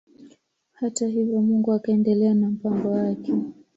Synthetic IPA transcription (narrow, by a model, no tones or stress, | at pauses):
hataɦivjɔmuŋɡuakaɛndɛlɛanam̩paŋɡɔwakɛ